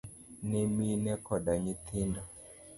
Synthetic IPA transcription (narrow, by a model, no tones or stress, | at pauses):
nɛminɛkɔɗaɲit̪ʰinda